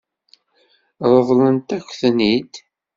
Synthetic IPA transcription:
ɾˤəvˤlənt̪ækʷːθnid̪

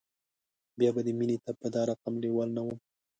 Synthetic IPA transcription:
bjɑbad̪əminet̪apəd̪ɑɾaqamlewɑlnawum

